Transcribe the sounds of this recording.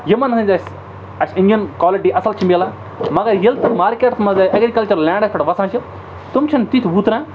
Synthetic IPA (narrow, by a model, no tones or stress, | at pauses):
jimɐnsɐ̃nʲt̪ɐsʲ | ɐsinɖijɐnkwaːliʈiːʔɐsɐlt͡ʃʰimʲeːlãː | mɐɡɐɾjilt̪ɨmaːɾkeːʈsmɐzɐʔɐɡɾikɐlt͡ʃɐɾlãːɳɖɐspɐʈʋɐsãːt͡ʃʰi | t̪umt͡ʃʰɐnt̪it̪ʰbuːt̪ɾãː